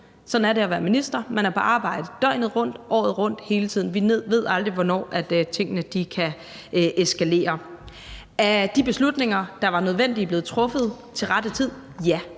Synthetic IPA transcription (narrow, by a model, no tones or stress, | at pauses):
sɒ̽dn̩æɐɾe̝æʋæːɐminisd̥ɐmænæɐpʰɒ̽ʔɑ̈ːb̥ɑ̈ɪ̰d̥əd̥ɒ̽ɪ̰nð̩ˠʁɔ̽n̰d̥ʔɒ̰ːð̞̩ˠʁɔ̽n̰d̥he̝ːlət͡sʰið̰ˠn̩ʋine̝ð̰ˠʋe̝ð̞ˠɑ̈ld̥ʁiʋɒnɒ̰ːʔæd̥t͡sʰe̝ŋ̰ənəd̥ikʰæ | ʔesɡ̥æle̝̰ːɐ | æd̥ib̥e̝slud̥ne̝ŋɐd̥ɑ̈ʋɑ̈nøð̞ˠʋen̰d̥ib̥le̝ːð̩ˠt͡sʰʁɔ̽fð̩ˠ | t͡sʰe̝lʁɑd̥ət͡sʰið̞̰ˠ | jæ